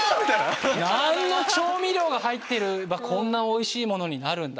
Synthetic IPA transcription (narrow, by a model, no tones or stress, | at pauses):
mʲit̪annanːo̞t͡ɕo̞ːmʲiɾʲjo̞ːɡahait̪ːe̞ɾɯ̟bakʰõ̞nːao̞iɕiːmo̞no̞ɲ̟inaɾɯ̟̃nd̪a